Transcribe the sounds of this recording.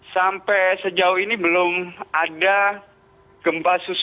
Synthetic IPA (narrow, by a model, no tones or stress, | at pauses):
sampɛsəd͡ʒauinibəlʊmada | ɡ̥əmpasus